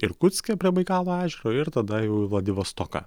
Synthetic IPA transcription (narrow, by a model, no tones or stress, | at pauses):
ɪɾkʊt̪sʲkʲɛpʲiɛʋɐɪkɑːlˠoːæːʒʲɛɾoːɪɾt̪ɐd̪ɐjɛʊiʋlˠɐd̪ʲɪʋoːst̪ɔkɑ̰